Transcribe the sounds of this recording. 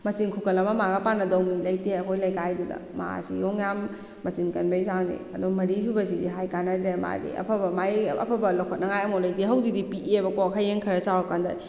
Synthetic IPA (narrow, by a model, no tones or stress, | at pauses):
mɐt͡ʃiŋkʰukɐlɐmɐmaɡɐpanɐdɐwnilɐjteɐkʰojlɐjkajdudɐ̰ma̰sḭjɔŋjamː | ɐt͡ʃinkɐnbejsawnḭɐdumɐɾis̬ubɐs̬idiɦajkanɐd̪ɾema̰dḭɐ̰pʰɐbɐmajɐ̰pʰɐbɐlawkʰɔt̚nɐŋajɐmɔlɐjteɦɐwzidipiʔebɐkɔkʰajeŋkʰɐɾɐsawakandɐ̰i